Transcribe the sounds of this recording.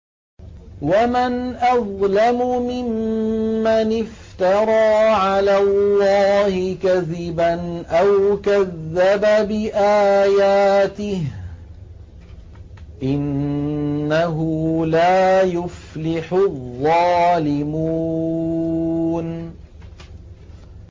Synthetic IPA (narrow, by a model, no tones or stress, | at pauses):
wamanʔɑðˤlamʊmɪmː | anɪft̪ɑɾˤɑːʕalaːlːɑːhɪkaðɪbanʔawkaðːababɪʔaːjaːt̪ɪh | ʔɪnː | aɦʊlaːjʊflɪħʊðˤːɑːlɪmu | n